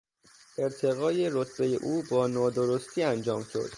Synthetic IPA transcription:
ʔe̞ɾt̪ʰe̞ɣɒːje̞ɾot̪ʰbeje̞̰ʔuːbɒːnɒːd̪oɾost̪ʰiːænd͡ʒɒːmʃo̞̰d̪̥

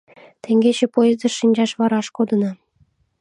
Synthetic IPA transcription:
t̪ʲĕŋɡʲet͡ɕĕpojezd̪ɤʃinʲd͡ʑɑʂʋɑɾɑʃkod̪ɤ̆nɑ

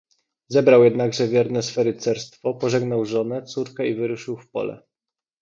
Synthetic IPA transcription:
zɛbɾawjɛd̪naɡʐɛvʲjɛɾnɛsfɛɾɘt̪sɛɾst̪fɔpɔʐɛɡnawʐɔnɛt̪suɾkɛivɘɾuʂɘwfpɔ̰lɛ̰

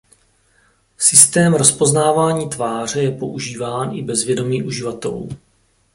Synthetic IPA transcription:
sɪst̪ɛːmɾo̞spo̞znaːvaːɲiːt̪vaːr̝ɛjɛpo̞ʔuʒiːvaːnɪbɛzvjɛdo̞miːʔuʒɪvat̪ɛ̰lṵː

